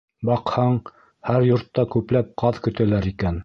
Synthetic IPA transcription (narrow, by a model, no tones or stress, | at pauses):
bɑqhɑɴ | hæɾjŏɾt̪ːɑkʉplæp̚qɑðkɵ̆t̪ælæɾikæn